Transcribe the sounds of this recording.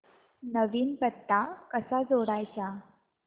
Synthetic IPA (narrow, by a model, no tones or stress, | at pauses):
nəʋiːnpət̪ːakəsad͡zoɽajt͡sa